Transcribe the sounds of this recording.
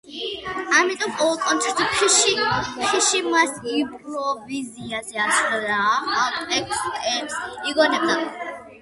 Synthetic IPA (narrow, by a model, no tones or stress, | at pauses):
amit̪ʼɔmpʼɔulˠkʼɔnt̪ʰɛɾt̪upiʃiʃiʃimasipɾɔviziazɛasɾaatʼɛkkʼɛmsiɡɔnɛb̚d̪a